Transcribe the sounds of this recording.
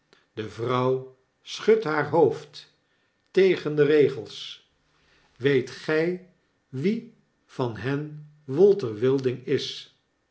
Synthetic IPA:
dəvrʌw | sχɵtɦaːɹɦowft | tejχəndərejχəlˠs | ʋejtχɛj | ʋi | v̥ɑnɦɛn | ʋʊlˠtəɹʋɪlˠdɪŋɪs

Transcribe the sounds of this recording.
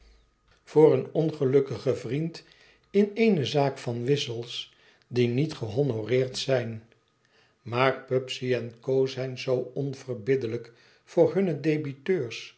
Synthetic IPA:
v̥ʊːrənɔnχəlɵkəχəvrint | ɪnejnəzaːkfɑnʋɪsəlˠs | dinitχəɦonorɪːɹtsɛjn | maːɹpɵpsiɛnkowzɛjnzowɔnv̥ərbɪdələk | fʊːɹɦɵnədejbitøːɹs

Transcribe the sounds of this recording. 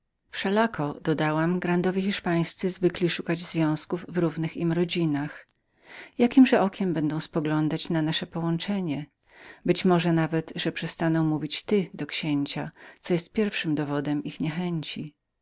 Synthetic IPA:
fʂɛlakɔd̪ɔd̪awamɡɾand̪ɔvʲjixʲiʂpaj̃st̪sɘzvɘklʲiʂukad͡ʑzvʲjɔ̃w̃skuvːɾuvnɘximɾɔd͡ʑinax | jakʲimʐɛɔkʲɛmbɛnd̪ɔ̃w̃spɔɡlɔnd̪at͡ɕnanaʂɛpɔwɔnt͡ʂɛɲɛ | bɘt͡ɕmɔʐɛnavɛt̪ʐɛpʂɛst̪anɔ̃w̃muvʲit͡ɕt̪ɘd̪ɔkɕeɲt͡ɕat̪sɔjɛst̪̚pʲjɛɾfʂɘmd̪ɔvɔd̪ɛmixɲɛxɛɲt͡ɕi

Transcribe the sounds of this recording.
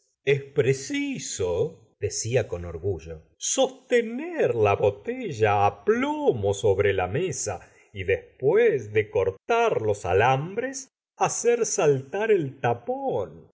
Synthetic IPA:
espɾesiso | ð̥esiako̞noɾɣuʒo | so̞st̪eneɾlaβot̪eʒaːplomoso̞βɾelamesa̰ | iðespwezðekoɾt̪aɾlo̞sa̰lambɾes | aseɾsalt̪aɾelt̪apon

